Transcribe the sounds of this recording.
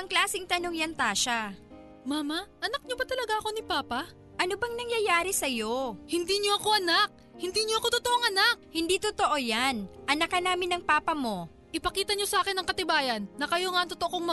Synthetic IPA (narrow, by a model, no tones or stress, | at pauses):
ʔɐŋklaːsɪŋt̪ɐnoŋjɐnt̪aːʃa | maːmɐʔɐnɐk̚ɲobɐt̪ɐlɐɡaʔɐko̞nipaːpɐ | ʔɐnobɐŋnɐŋjɐjaːɾɪsɐjo̞hɪnd̪iːɲoɐko̞ʔɐnak̚ | hɪnd̪iːɲoɐko̞t̪ot̪oʔoŋɐnak̚hɪnd̪iːt̪ot̪oʔo̞janʔɐnɐkɐnaːmɪnːɐŋpaːpɐmo̞ | ʔɪpɐkiːt̪ɐɲo̞sɐʔaːkɪnːɐŋkɐt̪ɪbaːjɐnːɐkɐjo̞ŋaʔɐŋt̪ot̪oʔooŋmɐ